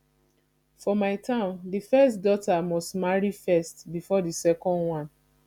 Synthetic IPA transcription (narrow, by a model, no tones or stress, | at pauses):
fɔmaɪtãʊ̃ndifɛstdɔtamɔstmaɹifɛstbifɔdisɛkɔ̃ndwãn